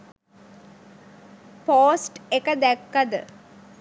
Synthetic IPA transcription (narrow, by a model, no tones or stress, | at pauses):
poːsʈekəd̪ækːad̪ə